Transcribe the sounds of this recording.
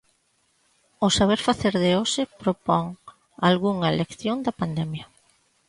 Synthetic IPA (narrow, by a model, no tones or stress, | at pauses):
ʊsaβ̞eɾfaθeɾðeosɪpɾopɔŋ | alɣuŋɐelekθjond̪ɐpand̪ɛmjɐ